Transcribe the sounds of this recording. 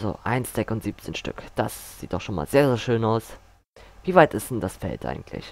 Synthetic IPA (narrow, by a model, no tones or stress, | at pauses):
zo̰ʔa̰ɪnsd̥ɛkʊntz̥iːp̚t͡seːnʃtʏ̰kd̥asz̥iːt̚d̥ɔxʃoːnma̰ːlzeːɐzeːɐʃøːnaʊs | viːvaɪtɪstd̥ɛn̩dasfɛ̰ltʔa̰ɪɡŋ̩tʰlɪ̰ç